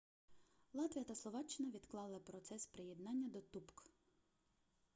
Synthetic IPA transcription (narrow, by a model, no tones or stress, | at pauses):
lˠɑt̪ʋʲijɐt̪ɐslˠɔʋɑt͡ʃːɪnɐʋʲid̪klˠɑlˠɪpɾɔt̪sɛspɾɪjed̪nɑnʲːɐd̪ɔt̪upk